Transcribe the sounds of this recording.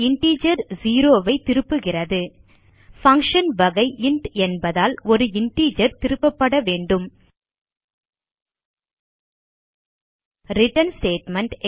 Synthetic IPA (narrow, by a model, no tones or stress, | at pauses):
ɪɳʈiːd͡ʒɐɾziːɾoːʋɐɪt̪ɪɾɯpːɯɣɪrɐðɯ | fɐŋkʂɐnʋɐɣɐɪʔɪɳʈɛnbɐðaːlɔɾɯɪɳʈiːd͡ʒɐɾt̪ɪɾɯpːɐpːɐɽɐʋeːɳɖɯm | ɾɪʈɐnsʈeːʈmɛɳʈ